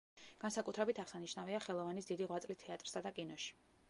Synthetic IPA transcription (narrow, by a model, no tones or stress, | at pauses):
ɡ̥ansakʼut̪ʰɾɛbit̪ʰaʁ̥saniʃnaviaχɛlˠɔvanisd̪id̪iʁwat̪sʼlit̪ʰɛat̪ʼɾsad̪akʼinɔʃi̥